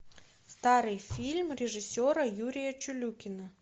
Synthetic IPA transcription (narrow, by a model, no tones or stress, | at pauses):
st̪aɾɨjfʲilʲmɾʲɪʐɨsʲoɾəjuɾʲɪjət͡ɕʊlʲukʲɪnə